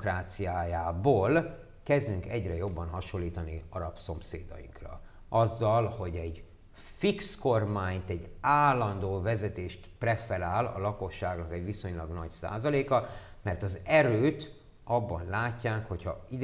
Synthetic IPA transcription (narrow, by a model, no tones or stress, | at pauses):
kraːt̪sijaːjaːboːl | kɛzd̪yŋkɛɟrɛjo̞bːɒnɦɒʃolːiːt̪ɒniɒɾɒpso̞msḛːd̪ɒ̰jḭŋkrɒ̰ | ʔɒzːɒlho̞ɟɛɟ | fiksko̞rmaːɲt̪ɛɟːaːlːɒnd̪oːvɛzɛt̪eːʃt̪prɛfɛɾaːlɒ̰lɒko̞ʃːaːɡnɒkɛɟʋiso̞ɲlɒɡnɒcsa̰ːzɒleːkɒmɛrt̪ɒzɛɾøːt̪ | ɒbːɒnlaːcːaːkho̞cʰhɒ̰id̪